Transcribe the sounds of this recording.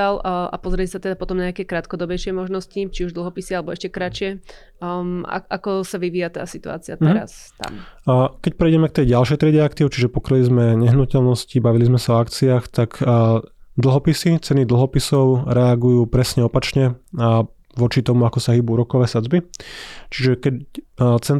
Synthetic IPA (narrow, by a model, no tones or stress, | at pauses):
ala̰pɔzɾiɛcsat̪ɛd̪apɔt̪ɔmɲɛakɛːkɾaːt̪kɔd̪ɔbɛjʃɪɛmɔʒnɔscit͡ʃiuʒd̪l̩ɦɔpisialɛbɔɛʃcɛkɾat͡ʃɪɛ | a̰ʔa̰kɔsaʋiʋiːjat̪a̰ːsit̪ua̰ːt͡siɪat̪ɛɾa̰st̪a̰mkɛc̚pɾɛɪjɟɛmɛk̚t̪ɛjɟalʃɛjt̪ɾɛɟɛakt̪iːʊt͡ʃiʒɛpɔkɾɛlizmɛɲɛɦnucɛlnɔscibaʋilizmɛsaɔakt͡siaːxt̪ak | d̪l̩ˠɦɔpisit͡sɛnid̪l̩ˠɦɔpisɔʊɾɛaɡujuːpɾɛsɲɛɔpat͡ʃɲɛ | ʋɔt͡ʃit̪ɔmuakɔsaɦiːbuɾɔkɔʋɛːsad͡zbit͡ʃiʒɛkɛt͡sɛ